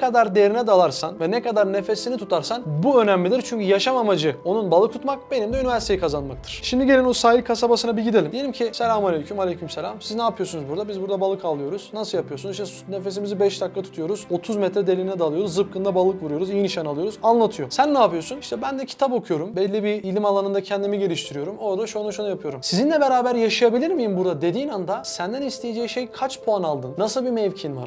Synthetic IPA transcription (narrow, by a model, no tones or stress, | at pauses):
kad̪aɾd̪eɾinɛd̪alˠaɾsanvɛnɛkad̪aɾne̞fe̞sinit̪ʰut̪ʰaɾsanbuø̞næmlʲid̪iɾt͡ʃʰyɲcʰyjaʃamamad͡ʒɯo̞nunbalˠɯkʰut̪mak̚be̞nimd̪ɛynivæɾsit̪ʰeikʰazanmak̚t̪ʰɯ̥ɾ̥ʃimd̪iɟelʲinosaːjikʰasabasɯnabiɟid̪e̞lʲimijeimcʰiselʲamalʲejcʰymalʲejcʰymselʲamsiznaːpʰɯjo̞sunuzbuɾd̪abizbuɾd̪abalˠɯkʰalˠɯjo̞ɾuz̥nasɯljapʰɯjo̞sunzʃt̪ʰɛ | ne̞fe̞s̬imizibɛʃd̪aklːˠat̪ʰu̥t̪ʰujo̞ɾuz̥o̞t̪ʰuzmɛt̪ɾɛd̪elʲiinɛd̪aːlˠɯjo̞ɾuzːɯp̚kʰɯnd̪abalˠːɯkvuɾujo̞ɾuzijiniʃanalˠɯjo̞ɾuzanlˠat̪ʰɯjo̞sænːaːpɯjo̞suniʃt̪ʰɛbænd̪ɛcʰi̥t̪ʰapo̞kʰujo̞ɾumbɛlʲːibiːlʲimalˠanɯnd̪acʰɛnd̪imiɟe̞lʲiʃt̪ʰiɾijo̞ɾumo̞ɾd̪aʃunuʃunujapʰɯjo̞ɾumsizinlʲɛbeɾaːbæɾjaʃajabilʲiɾmijimbuɾd̪ad̪e̞d̪iːnand̪asænd̪ænist̪ʰe̞jed͡ʒejiʃejkʰat͡ʃppʰoanalˠd̪ɯnːasɯlˠbimɛvcʰinva̰ɾ